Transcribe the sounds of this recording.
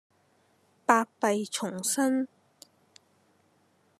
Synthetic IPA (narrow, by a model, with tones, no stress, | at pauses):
paː˧k̚pɐ˧jt͡ʃʰʊ˨˩ŋsɐ˥n